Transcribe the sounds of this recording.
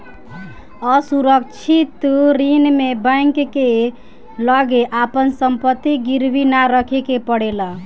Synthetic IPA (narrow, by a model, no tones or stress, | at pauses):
əsuɾəkt͡ʃʰit̪ɾinmebə̃ŋkːe | ləɡeʔapənsəmpət̪ːiɡiɾbinaɾəkʰekepəɽela